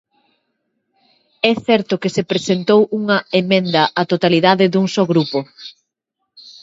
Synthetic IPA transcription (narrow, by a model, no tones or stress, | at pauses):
ɛθɛɾt̪ʊkesepɾesent̪owuŋɐemẽnd̪ɐʔat̪ot̪aliðaðɪðuŋsɔɣɾupo